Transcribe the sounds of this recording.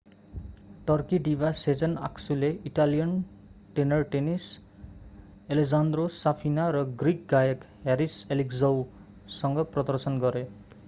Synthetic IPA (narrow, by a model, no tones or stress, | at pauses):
ʈʌrkiɖibased͡zʌna̰ksuleiʈalijʌn | ʈenʌrʈenis | eled͡zand̪rosapʰinaɾʌɡrik̚ɡajʌk | ɦeɾiselikd͡zʌw | sʌŋɡʌprʌd̪ʌrsʌnɡʌɾe